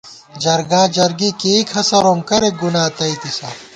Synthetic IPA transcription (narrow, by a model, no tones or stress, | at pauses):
d͡ʒɐɾɡaːd͡ʑɐɾɡikeːkʰɐsɐɾoːmkɐɾeɡunaːt̪ɐit̪isa̰